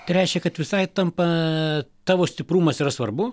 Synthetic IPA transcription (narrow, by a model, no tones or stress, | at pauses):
t̪ɪɾʲɛɪʃʲkʲɛkɐt̪ʋʲɪsɐɪt̪ɐmpɐ | t̪ɑːʋoːsʲt̪ʲɪpɾuːmɐsiɾɐsʋɐrbʊ